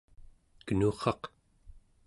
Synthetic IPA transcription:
kənuːχɑq

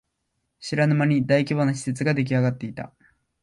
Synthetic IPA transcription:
ɕiɾanɯmaɲ̟id̪aikʲibonoɕi̥set͡sɨɡad̪e̞k̬ʲiaɡat̪ːe̞it̪a̰

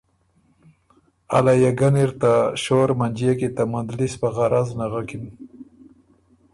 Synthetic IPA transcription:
a̰lajaɡaniɾt̪aʃoɾmand͡ʒijakit̪amand̪lispaɣaɾʔaznaɣakin

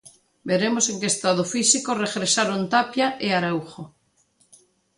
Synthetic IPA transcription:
beɾemoseŋkeːst̪að̞ofisikoreɣɾesaɾont̪apjaʔeaɾawxo

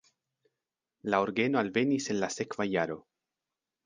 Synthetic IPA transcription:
laoɾɡe̞no̞alve̞nise̞nlase̞kvajaɾo̞

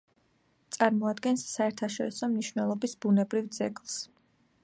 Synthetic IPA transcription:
t̪sʼaɾmɔad̪ɡɛnsːaɛɾt̪ʰaʃɔɾisɔmniʃvnɛlˠɔbisbunɛbɾivd̪zɛ̰ɡlˠs

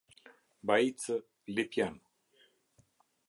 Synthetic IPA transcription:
bait͡sə | lepjan

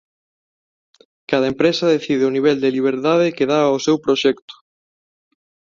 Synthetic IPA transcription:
kaðɐempɾɛsɐðeθiðeʊniβ̞ɛld̪eliβ̞eɾt̪að̞ɪkeðaosewpɾoʃɛkt̪ʊ̥

